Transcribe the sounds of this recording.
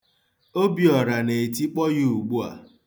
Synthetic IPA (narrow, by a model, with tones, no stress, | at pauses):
o˦bi˨ɔ˨ɾa˨ne˨ti˦k͡pɔ˦ɣi˦u˨ɡ͡bu˦a̰˨